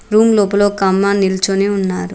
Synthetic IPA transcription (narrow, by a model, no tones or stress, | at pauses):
ɾuːmloːpɐlo̞ːkɐmːanilt͡ʃoniunːaːɾu